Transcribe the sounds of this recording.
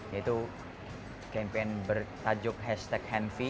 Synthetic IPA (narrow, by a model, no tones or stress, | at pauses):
jait̪u | kɛmpenbərt̪ad͡ʒʊk̚ɦɛst̪ɛk̚hɛnfi